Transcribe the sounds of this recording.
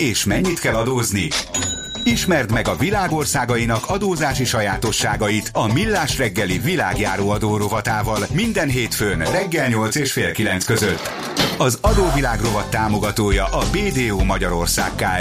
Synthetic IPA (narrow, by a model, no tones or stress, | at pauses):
eːʃmɛɲːit̪kɛlɒd̪oːzni | iʃmɛrt̪mɛɡɒvilaːɡo̞rsaːɡɒjinɒkɒd̪oːzaːʃiʃɒjaːt̪o̞ʃːaːɡɒjit̪ɒmilːaːʃrɛɡːɛlivila̰ːɡjaːɾoːɒd̪oːɾo̞vɒt̪aːvɒlmind̪ɛnɦeːt̪føːnrɛɡːɛlɲo̞lt̪seːʃfeːlkilɛnt̪skø̞zøt̪ː | ɒzɒd̪oːvilaːɡro̞vɒt̪ːaːmo̞ɡɒt̪oːjɒʔɒbeːd̪eːoːmɒɟɒɾo̞rsa̰ːkːaːl